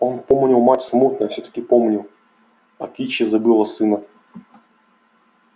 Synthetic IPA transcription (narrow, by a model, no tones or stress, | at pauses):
onpomnʲɪlˠmatʲsmut̪nəfsʲɵt̪ə̥kʲɪpomnʲɪlˠ | ɐ̰kʲit͡ɕːɪzɐbɨlˠəsɨnə